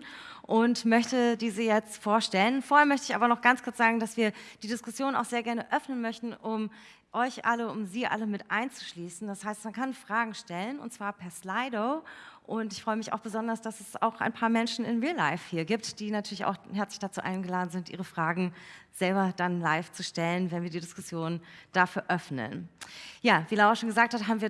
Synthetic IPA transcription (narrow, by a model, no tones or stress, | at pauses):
ʔʊntmœçtədiːzəjɛt͡stfoːɐʃtɛlənfoːɐhɛːɐmœçtəɪçʔaːbɐnɔχɡ̥ant͡skʰʊɐt͡sz̥aːɡŋ̩dasv̥iːɐd̥iːdɪskʊsjoːna̰ʊxz̥eːɐɡɛɐnəʔœfnənmœçtn̩ʔʊm | ʔɔʏçʔa̰ləʊmziːʔa̰ləmɪtʔa̰ɪnt͡su̥ʃliːsn̩d̥ashaɪstmankʰanfʁ̥aːɡŋ̩ʃtɛlənʊ̰ntt͡sv̥aːɐpʰɛɐslaɪdoʊʔʊntɪçfʁ̥ɔʏəmɪça̰ʊxb̥əzɔndɐsd̥asɛsa̰ʊxʔa̰ɪnpʰaːɐmɛnʃn̩ɪnʁiːlaɪfhiːɐɡiːp̚td̥iːnatʰyːɐlɪça̰ʊxhɛɐt͡slɪçd̥at͡suːʔa̰ɪnɡəlaːdn̩zɪntʔḭːʁ̞əfʁ̥aːɡŋ̩z̥ɛlbɐd̥anlaɪft͡suʃtɛlənvɛnviːɐdiːdɪskʊsjoːnnd̥aːfyːɐʔœfnə̰njaːviːlaʊɐʃoːnɡəzaːk̚thatɦaːbmviːɐ